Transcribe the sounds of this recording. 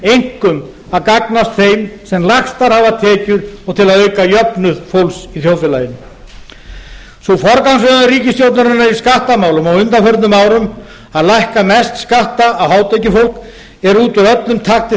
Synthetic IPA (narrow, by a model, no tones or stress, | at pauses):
ejŋ̥kʏm | aðkaknast̪θejmsɛmlaxst̪aɾhavat̪ʰɛːcʏɾɔɣt̪ʰɪlaðœɥkajœpnʏðfowlsiθjowlfɪlajɪnː | sufɔɾkawnsvœðaʏriːcɪst̪jowt̪naɾɪnːaɾiskaht̪amaːwlʏmɔɣʏnt̪anfɛɾt̪nʏmaːwɾʏm | aðlajhkamɛst̪skaht̪aːwhaːwt̪ʰejcɪfowl̥k | ɛɾuːt̪ʏɾœt̪lʏmt̪ʰaxt̪ɪ